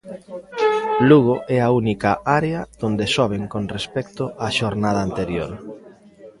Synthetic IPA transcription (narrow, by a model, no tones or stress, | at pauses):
luɣoʔɛaunikɐaɾeɐð̥ond̪esɔβ̞eŋkonrespɛkt̪ʊaʃoɾnað̞ɐːnt̪eɾjo̰ɾ